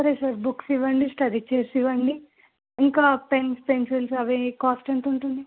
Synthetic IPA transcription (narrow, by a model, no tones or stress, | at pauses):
sɐɾesɐɾbuksiʋɐɳɖisʈɐɾit͡ʃeːɾsiʋɐɳɖi | iŋkaːpenspenselsɐʋekaːsʈɐɳʈ̪uɳʈund̪i